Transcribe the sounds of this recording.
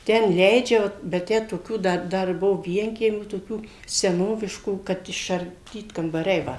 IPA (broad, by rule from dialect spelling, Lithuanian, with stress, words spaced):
ˈtʲɛn ˈlʲɛɪd͡ʒʲɛ ʋɐ ˈbʲɛt ˈtʲæː toːˈkʲuː ˈdɐ ˈdɐr ˈbuɔ ˈʋʲiɛŋʲkʲiɛmʲuː toːˈkʲuː sʲɛˈnoːʋʲɪʃkuː kɐt ɪʃɐrʲˈdʲiːt kɐmbɐˈrʲɛɪ ˈʋɐ